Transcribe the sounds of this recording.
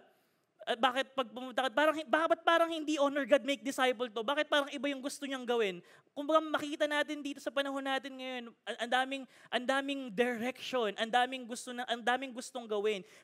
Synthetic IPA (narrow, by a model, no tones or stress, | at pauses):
ɐbaːkɪt̪̚pɐɡ̚pʊmʊnt̪aɐkɐt̪̚paːɾɐŋhɪbaːbɐt̪̚paːɾɐŋhɪnd̪iʔonɛɹɡad̪̚mejk̚d̪ɪsajpɛlt̪o̞baːkɪt̪̚paːɾɐŋɪbajʊŋɡʊst̪oɲɐŋɡɐwɪn | kʊmbɐɡamɐkiːt̪ɐnaːt̪ɪnd̪iːt̪o̞sɐpɐnɐɦo̞nːaːt̪ɪnŋɐjo̞nʔɐʔɐnd̪aːmɪŋʔɐnd̪aːmɪŋd̪ɛɾɛkʃonʔɐnd̪aːmɪŋɡʊst̪o̞nɐʔɐnd̪aːmɪŋɡʊst̪o̞ŋɡɐwɪn